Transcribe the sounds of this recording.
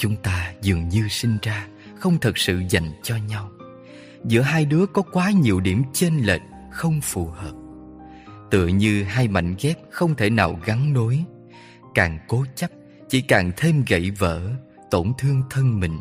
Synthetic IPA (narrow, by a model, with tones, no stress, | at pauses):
t͡ɕʊ˨˦ŋ͡mt̪aː˧zɨ˨˩əŋɲɨ˧sï˧ŋ̟zaː˧ | xə˧wŋ͡mt̪ʰə˨˩t̚sɨ̰˧˨za˨˩jŋt͡ɕɔ˧ɲa˧w | zɨ̰˧˥əɦaː˧jɗɨ˨˦əkɔ˨˦kwaː˨˦ɲi˨˩əwɗi˧˩əmt͡ɕe˧nlḛː˨˩t̚ | xə˧wŋ͡mfu˨˩həː˨˩p̚ | t̪ɨ̰˧˨əɲɨ˧ɦaː˧jma̰˧˨jŋ̟ɣɛ˦˥p̚xə˧wŋ͡mt̪ʰe˧˩naː˨˩wɣa˨˦ŋno˨˦j | kaː˨˩ŋko˨˦t͡ɕə˦˥p̚ | t͡ɕḭ˧˩kaː˨˩ŋt̪ʰe˧mɣə̰˧˩˨jvə̰ː˧˨ | t̪o˧˩nt̪ʰɨ˧əŋt̪ʰə˧nmï˨˩ŋ̟